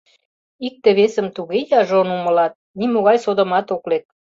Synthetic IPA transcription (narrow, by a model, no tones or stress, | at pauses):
ik̚t̪ə̆βesə̆mt̪uɣejɑʒonumə̆lɑt̪̚nimoɣɑjsod̪ə̆mɑt̪oklet̪̚